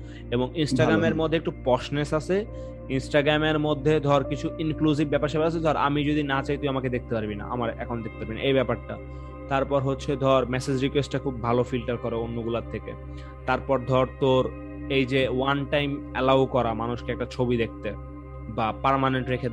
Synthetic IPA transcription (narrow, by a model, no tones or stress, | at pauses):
eboŋinsʈaɡɾameɾmod̪ʱːek̚ʈupɔʃnesat͡ɕʰe | insʈaɡɾameɾmod̪ʱːed̪ʱɔɾkit͡ɕʰuinkluzibːɛpaɾʃɛbelasʰed̪ʱɔɾa̰mid͡ʑod̪inat͡ɕajt̪eamaked̪ek̚t̪epaɾbina̰ʔa̰maɾɛ̰kʰonod̪ek̚t̪epaɾbina̰ʔejbɛpaɾʈa | t̪aɾpɔɾɦotːɕʰed̪ʱɔɾmɛsed͡ʑɾikwesʈʈakʰub̚bʱalofilʈaɾkɔɾeonːoɡulaɾt̪ʰːekḛ | t̪aɾpɔɾd̪ʱɔɾt̪oɾ | ejd͡ʑewanʈajmɛlawkɔɾamanuʃkeɛk̚ʈat͡ɕʰobid̪ek̚ʰt̪e | bapaɾmaneɳʈɾekʰe